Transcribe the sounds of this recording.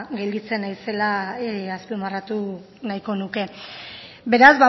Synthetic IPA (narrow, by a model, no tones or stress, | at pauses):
ɡelɡit͡se̞najse̞laaspimarat̪u | najko̞nuke̞ | be̞ɾazβa